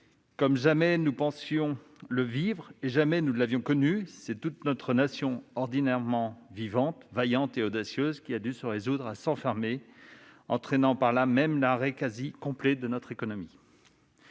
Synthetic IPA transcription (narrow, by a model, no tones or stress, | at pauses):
kɔmʒamɛnupɑ̃sjɔ̃ | ləvivʁeʒamɛnulavjɔ̃kɔnysɛt̪ut̪nɔt̪χənasjɔ̃ɔʁd̪inɛʁmɑ̃vivɑ̃t̪vajɑ̃t̪eod̪asjøzkʲiad̪ysəʁezud̪ʁasɑ̃fɛʁme | ɑ̰̃t̪χɛnɑ̃paʁlamɛmlaʁekazikɔ̃plɛd̪ənɔt̪χekɔnɔmi